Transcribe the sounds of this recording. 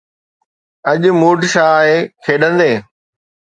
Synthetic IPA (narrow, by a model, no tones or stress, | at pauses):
ɐʄmuːʈʃaːɦeːkʰeːɗə̃nd̪eː